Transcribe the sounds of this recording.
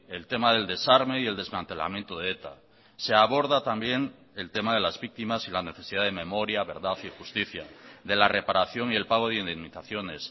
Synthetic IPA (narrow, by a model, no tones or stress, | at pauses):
e̞lt̪e̞maðe̞ld̪e̞saɾme̞ie̞ld̪ezmãnt̪e̞la̰mje̞nt̪oðeet̪a̰ | se̞aβo̞ɾðat̪ambje̞ŋ | e̞lt̪e̞maðe̞lazβik̚t̪imasilane̞θe̞siðaðeme̞mo̞ɾjaβe̞ɾðaθixust̪iθja̰ðe̞lare̞paɾaθjo̞ŋie̞lpaɣ̞o̞ð̞eind̪emːiθaθjo̞ne̞s